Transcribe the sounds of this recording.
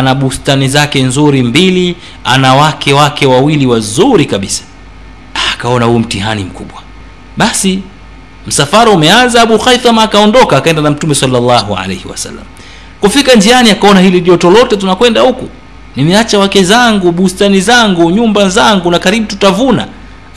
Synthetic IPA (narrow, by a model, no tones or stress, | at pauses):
anaɓustanizakɛnzuɾimbili | a̰nawakʰɛwakɛwawiliwazuɾikaɓisḁ | aːkaɔnahuːm̩tiha̰nim̩kuɓwa | ɓasi | m̩safaɾaumɛanzaaɓuxajθamaːkaɔndɔkaːkaɛndanam̩tumɛsalːalːaɦua̰lɛ̰jhiwa̰sa̰lːa̰m | kufikand͡ʒianiakaɔnahiliʄɔtɔlɔtɛt̬unakwɛndahuku | nimɛat͡ʃawakɛzaŋɡuɓustanizaŋɡuɲumbazaŋɡunakaɾiɓututavuna̰